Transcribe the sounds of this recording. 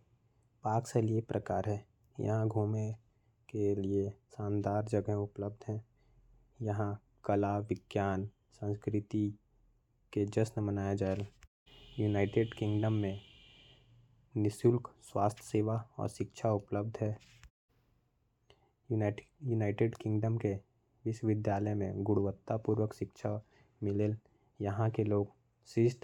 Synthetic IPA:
paːkseliepɾʔəkaːɾɦɛː | jə̰ɦãɡʱuːmẽ | keliesãːnd̪aːɾd͡ʒəɡɦẽʊpləb̚d̪ʱɦɛ̃ː | jɐɦã | kəlaʋɪɡjaːn | sə̃nskɾɪt̪i | ked͡ʒəsnəmənaːjad͡ʒaːel | junaːɪʈeɖkɪ̃ŋɡɖəmːẽ | nɪsʊlkswaːst̪ʰseːʋaɔ̰ːɾʃɪkʃʰaʊpləb̚d̪ʱɦɛː | junaːɪʈeɖkɪ̃ŋɡɖəmke | ʋɪʃwʋɪd̪jaːləmḛ̃ɡʊɽuʋət̪ːapuːɾwəkʃɪkʃʰa | mɪleːl | jɐɦãkeloːɡ | sɪʃt̪

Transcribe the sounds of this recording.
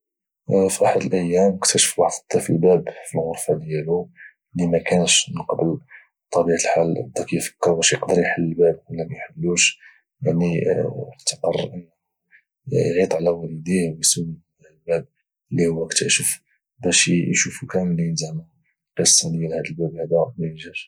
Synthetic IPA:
fiʔaħd̪əlʔəjːæməkt̪æʃə̥fbɑʕd̪ˤə̥t̪ˤːɑfilbæbfilɣʊɾˤfad̪jælu | limækænəʃnəqɑbəl | t̪ˤːɑbiʕat̪əlħalʔd̪ækjfə̥kːəɾˤbæʃjəqd̪əɾjħalːəbæb̚wəlːæmæjħəlːuʃ | jaʕniəʕt̪ə̥qərˤʔənː | jʕit̪ˤʕlæwælid̪ihwjsuwi | lbæb̚ | əlːihʊwːækt̪ʰæʃəf | bæʃjʃufukæməlinzæna | qəsˤːɑd̪jælhæd̪əlbæbhad̪æmæjəʒæʃ

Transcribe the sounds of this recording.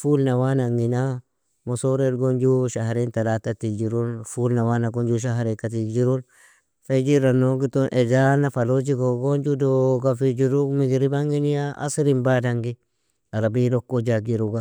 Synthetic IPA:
fulnawanaŋɡina | mosoɾedɡond͡ʒuʃaɦɾintalatatid͡ʒiɾunfulnawanaɡond͡ʒuʃ̬aɦaɾikatid͡ʒiɾun | fed͡ʒiɾanoɡitonʔed͡ʒanafalod͡ʒikoɡond͡ʒudoɡafid͡ʒiɾukmiɡiɾibaŋɡinijaʔa̰siɾimbadaŋɡi | aɾabilokːod͡ʒaɡiɾuɡa

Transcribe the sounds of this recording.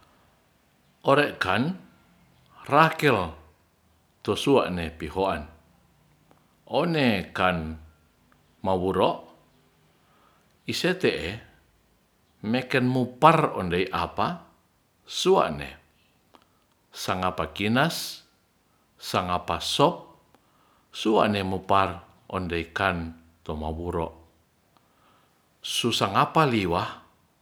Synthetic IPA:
ʔɔɾɛʔkan | rakɛl | t̪ɔsua̰ʔnepihoʔan | ɔnekan | mawuɾɔʔ | iset̪ɛʔɛ | mɛkɛnmuparɔ̰ndeiʔapa | sua̰ʔnɛ̰ | saŋapakinas | aŋapasɔp̚ | sua̰ʔnɛmupar | ʔɔ̰ndeikan | t̪ɔmawuɾɔ̰ʔ | susaŋapaliwah

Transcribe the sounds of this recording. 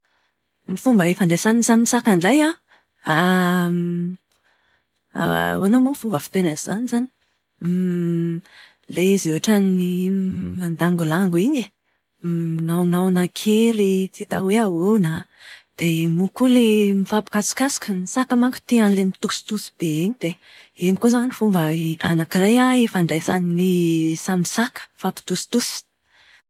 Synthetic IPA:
mifumbəefanɖ͡ʐ̪esaniisanimisakanɖ͡ʐaja | a | anomufumbəfi̥t̪enazizanizani̥ | lezewaʈ͡ʂannimand̪aŋɡulaŋɡuiɲe | nawnawnakʰeɾit͡sit̪a̰weawewnad̪̥emukulemifapi̥kasi̥kasi̥kəmisakəmakə̥t̪eanlemit̪usi̥t̪usi̥b̥eeɲid̪̥e | enikozanifumbəa̰nakirajaifaɳɖ͡ʐajsaninisamisakə̥fapi̥t̪usi̥t̪usi̥

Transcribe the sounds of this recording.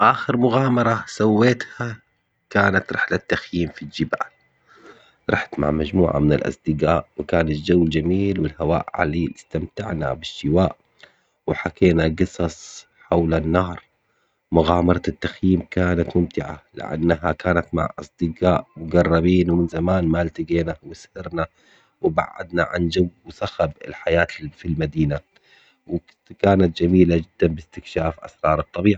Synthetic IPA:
ʔaːxɪɾmʊɣaːmɑɾˤɑsawːeːt̪ha | kaːnat̪ɾˤħlat̪ːaxjiːmfild͡ʒɪba̰ːl | ɾˤɑħt̪ma̰ʕmad͡ʒmṵːʕa̰mɪnɪ̰lʔɑ̰sˤd̪ɪɡaːʔwɪkaːnat̪d͡ʒawːld͡ʒamiːlwɪlhawa̰ːʔʕa̰liːʔɪst̪amt̪aʕna̰bɪʃːɪwaːʔ | wɪħakeːnaɡɨsˤɑsˤ | ħawlanːɑːɾˤ | mʊɣaːmɑɾˤɑt̪ːaxjiːmkaːnat̪mʊmt̪ɪʕa̰lɪ̰ʔa̰nːaɦakaːnat̪ma̰ʕʔɑ̰sˤd̪̥ɪqaːʔmʊɡɑrˤːɑbiːnwmɪnzamaːnmalt̪ɪɡeːnawɪshɪɾna | wɪba̰ʕːa̰d̪naʕa̰nd͡ʒawsaxabɪ̰lħajaːt̪filmad̪iːna | w | kaːnat̪̚d͡ʒamiːlad͡ʒɪd̪ːanbɪst̪ɪkʃaːfʔa̰sɾˤɑːɾˤɑt̪ˤːɑbiːʕi

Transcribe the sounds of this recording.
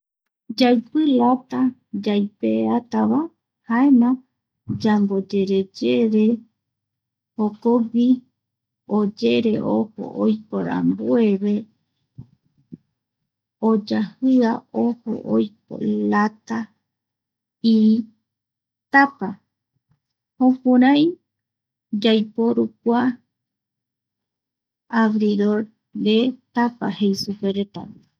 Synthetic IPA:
d͡ʒajpɨlat̪ad͡ʒajpeat̪aβa | haenã | d͡ʒambod͡ʒeɾed͡ʒeɾe | hokowi | od͡ʒe̞ɾe̞ʔoho̰ʔojpoɾa̰mbue̞βe | od͡ʒahɨaoho̰ʔojp̚o̰lat̪a | i | t̪apa | hõpũɾãj | d͡ʒajpo̞ɾuk̚ʷa | aɡɾiɾoɾ | ɾet̪apahejsupeɾet̪a̰β

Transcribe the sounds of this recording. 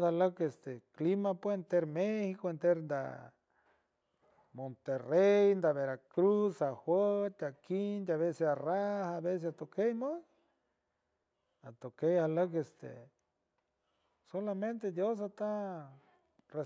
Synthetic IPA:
aləkest̪eklimapwent̪eɾmehikoent̪eɾnd̪a̰ | mont̪erejnd̪aβeɾakɾusaxwət̪akind̪aβesesarahaβes̬esat̪okejme | at̪okejhaləkest̪ḛ | solamẽnt̪ed̪jos̬at̪a | re

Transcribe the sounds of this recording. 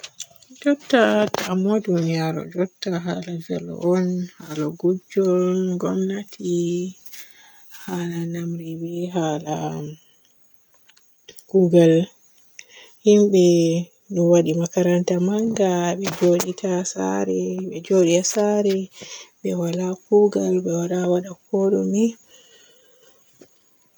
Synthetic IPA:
d͡ʒɔtːataːmɔdunijaɾɔ̰d͡ʒɔtːaɦalavɛ̰lɔ̰ʔɔnhalaɡud͡ʒɔɡɔmnatʰi | halanamɾibiɦala | ɡ̥uɡal | himɓɛ | niwaɗimakaɾantamaŋɡaɓɛd͡ʒoɗitʰasa̰ɾɛɓɛd͡ʒoɗitasaɾɛbɛwalakuɡalɓɛwaɗawaɗakʰɔɗɔmi

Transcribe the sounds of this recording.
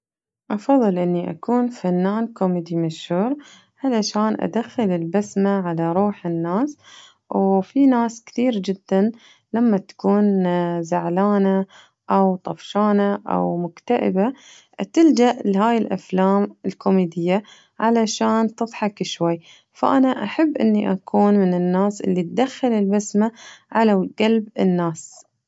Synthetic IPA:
ʔɑfɑðˤːɨlʔɪnːiʔa̰kuːnfanːaːnkomiːd̪imaʃhuːɾ | ʕalaʃaːnʔa̰d̪axːɪlɪlbasmaʕalaɾˤuːħɪnːaːs | wfinaːskt̪iːɾd͡ʒɪd̪ːan | lamːat̪ḁkuːnzaʕlaːna | ʔawt̪ˤɑfʃaːnaʔa̰wmʊkt̪aʔɪ̰ba | t̪ɪld͡ʒaʔlɪɦaːjɪlʔa̰flaːmɪlkomiːd̪ɪjːa | ʕalaʃaːnt̪ɨðˤħɑkɪʃwajː | fa̰ʔanaʔaħabːʔɪ̰nːiʔakʰuːnmɪnɪnːaːsʔɪ̰lːit̪̚d̪axːalɪlbasmaʕalaɡalbɪnːaːs

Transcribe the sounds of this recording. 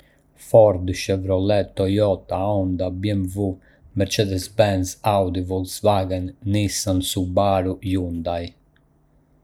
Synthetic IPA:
fɔɾd̪ʃɛvɾɔlɛt̪ːɔjɔt̪ːaɔnd̪abjɛmvu | mɛɾt͡ʃɛd̪ɛzbɛnsawd̪ivɔlsvaːɡɛnːisansubaːɾujund̪aj

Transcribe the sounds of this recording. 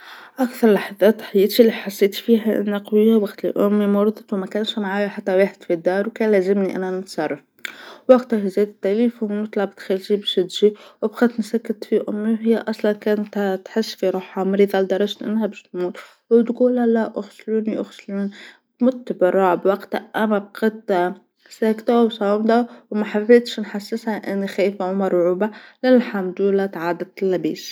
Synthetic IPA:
ʔakθɑɾˤlaħɑðæːt̪ːħajːɪt̪ilːiħasːeːt̪fiːɦaʔɪ̰nːaqwjːabaxt̪lḭʔʊmːimʊɾˤd̪ˤɑt̪wmækæːnʃmaʕaːjaħat̪ːaweːħɪd̪fid̪ːɑːɾˤwkænlæzɪmniʔa̰nanɪt̪sˤɑrˤːɑf | wɑɡt̪ahizeːd̪t̪ːæliːfanʊt̪ˤlɑʕbt̪xɪlʃibʃɪd̪ʒiwɪbxat̪nsakːɪt̪fiʔʊmːiwɦɪjːaʔɑsˤlɑnkʊnt̪hat̪ħɪsːfiɾˤɑħamɾiðɑld̪ɑɾˤɑʒt̪ʔɪ̰nːhabɪʃt̪muːt̪ | wbt̪ɡuːlːalaʔʔʊxsluːniʔʊxsluːn | mʊt̪ːbɑɾˤːɑːʕbwaɡt̪aʔamab̚qat̪ | saːkt̪awsˤɑmd̪awmaħafeːt̪ʃnħasːɪshaʔɪnːixæːjfʕʊmɑɾˤʕuːbalalħamd̪lat̪ʕaːd̪at̪lːabiːs

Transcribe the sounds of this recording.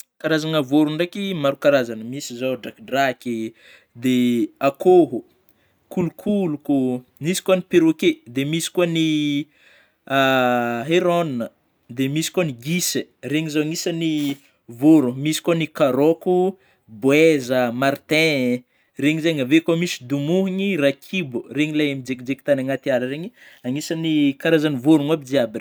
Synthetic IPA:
kaɾazanəvoɾuɳɖ͡ʐekimaɾukaɾazanəmisizaɖ͡ʐakɖ͡ʐaki | d̪eakoɦu | kulukʰulukunisi̥kwanipeɾoked̪emisi̥kwani | aɦeɾonnə | d̪emisi̥kwaniɡisereɲizaaŋisani | voɾumisi̥kwanikaɾoku | bwezəmart̪ɛ̃ | reɲizeɲavekwamisi̥d̪umuɦiɲirakʰibureɲilaamid͡ʒekd͡ʒekit̪anaŋat̪iaɾəɾeɲiaŋisanikaɾazanivoɾunabid͡ʒiabin

